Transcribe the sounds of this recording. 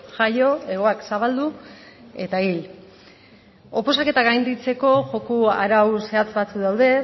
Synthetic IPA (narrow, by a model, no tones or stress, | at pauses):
ʝajo̞e̞ɣ̞o̞aksaβald̪ue̞t̪ail | o̞po̞sake̞t̪aɣajnd̪it͡se̞ko̞ʝo̞kuaɾawse̞at͡sβat͡suðawðe̞